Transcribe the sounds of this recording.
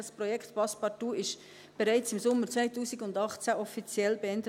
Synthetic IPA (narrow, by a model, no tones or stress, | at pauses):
ɑsprɔjɛkχt̪pɑspɑtuːɪʃ | b̥ɛɾaɪt͡sɪmsʊməɾt͡svaɪtuːsiɡʊndɑχt͡sæʔɔfit͡sjɛlbeɛndə